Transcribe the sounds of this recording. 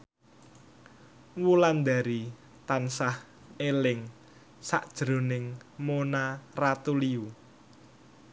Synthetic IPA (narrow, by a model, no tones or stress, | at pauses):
wuland̪a̤ɾi | t̪ansah | elɪŋ | saʔd̥ʒ̥ɾo̤nɪŋmonarat̪uliu